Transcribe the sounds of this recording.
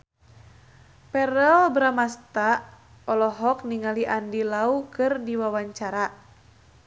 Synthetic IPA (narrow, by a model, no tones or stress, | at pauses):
pɛɾəlbɾamast̪a | ɔlɔɦɔk̚niŋaliʔandilaukɨrdiwawaɲt͡ʃaɾa